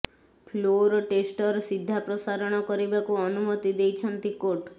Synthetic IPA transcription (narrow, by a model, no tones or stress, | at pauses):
pʰloɾɔʈesʈɔɾsid̪ʱːapɾɔsaɾɔɽ̃ɔkɔɾibakuɔnumɔt̪id̪ejt͡ʃʰɔnt̪ikoʈ